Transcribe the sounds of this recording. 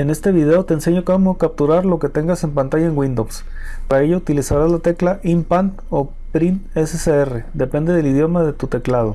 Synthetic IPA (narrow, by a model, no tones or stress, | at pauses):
e̞ne̞st̪e̞βiðe̞o̞t̪e̞ːnse̞ɲokomokap̚t̪uɾaɾlo̞ke̞t̪e̞ŋɡase̞mpant̪aʝaeŋwĩnd̪ows | paɾae̞ʝout̪ilisaɾazlat̪e̞klaʔimpant̪o̞ | pɾineseseere̞d̪e̞pe̞nd̪e̞ðe̞lið̞jo̞maðe̞t̪ut̪e̞klað̞o̞